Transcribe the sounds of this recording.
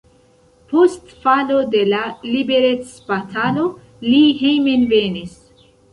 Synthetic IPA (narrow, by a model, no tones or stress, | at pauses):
postfalode̞lalibeɾet͡sbatʰalo̞ | liɦejmenvenis